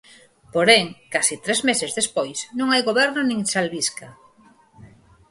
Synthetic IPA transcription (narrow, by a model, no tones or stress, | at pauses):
poɾeŋkasit̪ɾezmesezðespojsnõŋajɣoβɛɾnonĩŋsalβiska